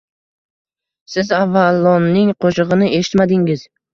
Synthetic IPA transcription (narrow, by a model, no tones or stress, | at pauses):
sɪzavːalˠːɒnːɪŋqʰoʃɨʁɨnɪʔe̞ʃɪ̥t̪mad̪ɪŋɪz̥